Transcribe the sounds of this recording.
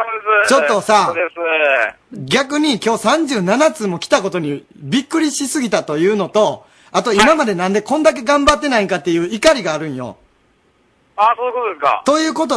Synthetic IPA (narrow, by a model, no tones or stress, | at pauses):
od̪esɨt͡ɕo̞t̪ːo̞sades | ɡʲakɯ̟ɲ̟ikʲo̞ːsãɲ̟d͡ʑɨːnanat͡sɨːmo̞kʲi̥t̪ako̞t̪o̞ɲ̟ibʲikːɯ̟ɾʲiɕisɨɡʲit̪at̪o̞jɯ̟ːno̞t̪o̞ | at̪o̞imamad̪e̞nãnd̪e̞kõ̞nd̪ak̬e̞ɡãmbat̪ːe̞naikat̪ːejɯ̟ːikaɾʲiɡaːɾɯ̟̃ɰ̃jo̞̰ | aːsoːjɯkot̪od̪eska̰t̪o̞jɯ̟ːko̞t̪̬o